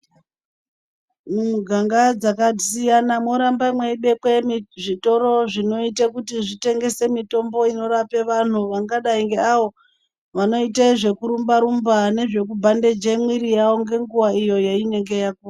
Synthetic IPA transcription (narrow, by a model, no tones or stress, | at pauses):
mumuɡʱaŋɡad͡zakadisijanamo̞ɾambamweiɓe̞kwe̞mʐito̞ɾo̞ʐino̞itakutiʐite̞ŋɡe̞se̞mito̞mbo̞ino̞ɾape̞ʋan̤uʋaŋɡaɗaiŋɡe̞aʋo̞ | ʋano̞iteʐe̞kuɾumbaɾumbane̞ʐe̞k̬ubʱande̞d͡ʒemwiɾijaoŋɡe̞ŋɡuwaijo̞jaine̞ŋɡe̞jakua